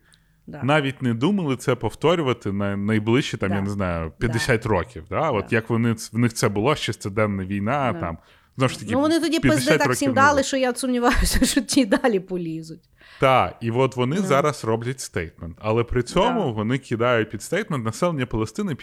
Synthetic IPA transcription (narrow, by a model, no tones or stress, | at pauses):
nɑʋʲit̚ʲneɛd̪umɐlˠɪt̪sɛpɔft̪ɔɾʲʊʋɐt̪ɪnɐnɐjblˠɪʃt͡ʃit̪ɑmjaneznɑjʊpʲjɐdd̪esʲatʲrɔkʲiwd̪ɑɔt̪jɐkʋɔnɪʋnɪxt̪sɛbʊlˠɔʃt͡ʃɛst̪ɪd̪ɛnːɐʋʲijnɑt̪ɑ̰m | zɔʋʊʃt̪ɐkʲɪʋɔnɪt̪ɔdʲipjɐd̪sɛat̪ɾɔsʲimd̪ɑlˠɪʃɔjat̪sʊmnʲɪʋɑjʊsʲɐʃɔtʲid̪ɑlʲipɔlʲizʊtʲ | t̪ɑiʋɔt̪ʋɔnɪzɑɾɐsrɔblʲɐtʲst̪ɛjt̪mɛnt̪ɐlˠɛpɾɪt͡sʲɔmʊʋɔnɪkʰʲɪd̪ɑjʊt̚ʲpʲid̪st̪ɛjt̪̚mɛnt̪nɐsɛlˠenʲːɐpɔlˠɐst̪ɪnɪpʲ